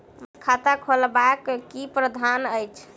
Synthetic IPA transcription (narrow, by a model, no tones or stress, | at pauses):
kʰat̪akʰolbakkipɾəd̪ʱanəjt͡ʃʰ